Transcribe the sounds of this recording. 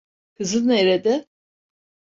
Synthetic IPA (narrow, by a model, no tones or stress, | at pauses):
kʰɯzɯneɾed̪ɛ